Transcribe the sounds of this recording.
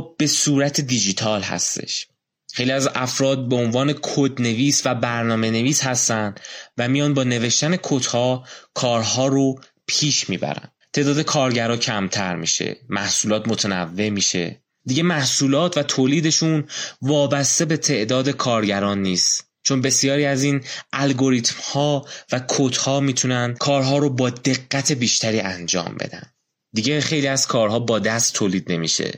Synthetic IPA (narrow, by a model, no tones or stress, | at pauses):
b̥e̞suːɾæt̪ʰed̪id͡ʒit̪ʰɒːlhæ̰st̪e̞̰ʃ | xejliæzæfɾɒːd̪̚beonvɒːne̞kʰod̪ne̞viːsvæbæɾnɒːme̞ne̞viːshæst̪ænd̪væmijɒːnbɒːne̞ve̞ʃt̪æne̞kʰot̪hɒːkʰɒːɾɦɒːɾo | pʰiːʃmḭːbæ̰ɾæ̰nt̪ʰeʔd̪ɒːd̪e̞kʰɒːɾɟæɾɒːcʰæmt̪ʰæɾmḭːʃe̞̰mæ̰hsuːlɒːt̪mot̪ʰenæ̰vːe̞ʔmiːʃe̞̰ | d̪iɟemæhsuːlɒːt̪ʰvæt̪ʰoːliːd̪e̞ʃunvɒːbæst̪ebe̞t̪ʰe̞ʔd̪ɒːd̪e̞kʰɒːɾɟæɾɒːnːiːst̪ | t͡ʃʰo̞nbe̞sijɒːɾiːæziːnʔælɡo̞ɾiːt̪mhɒːvækʰot̪hɒːmiːt̪ʰunænkʰɒːɾɦɒːɾobɒːd̪e̞ɣːæt̪ʰe̞biːʃt̪ʰæɾiːænd͡ʒɒ̰ːmbe̞̰d̪æ̰nd̥̪ | d̪iːɟeχe̞jliːæz̥kʰɒːɾɦɒːbɒːd̪æst̪ʰːoːliːd̪̚ne̞mḭːʃḛ